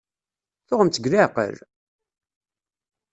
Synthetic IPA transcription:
θʊʁəmt͡s̪əɡɾaqə̰ɾ

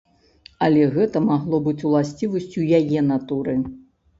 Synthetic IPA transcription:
ɐlʲɛɣɛt̪ɐmaɣlˠɔbɨt͡sʲulˠasʲt͡sʲivɐsʲt͡sʲujajɛnat̪uɾɨ

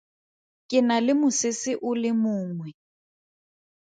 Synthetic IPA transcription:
kʼɪnalɪmʊsɪsɪʔʊlɪmʊːŋwɛ

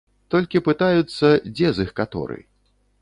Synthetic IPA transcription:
t̪ɔlʲkʲipɨt̪ajut̪sːɐd͡zʲɛzɨxkat̪ɔ̰ɾɨ̰

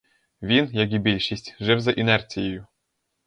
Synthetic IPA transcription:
vʲinjaɡʲibʲilʲʃisʲtʲʐɛwzɐʔinɛrsʲijeju

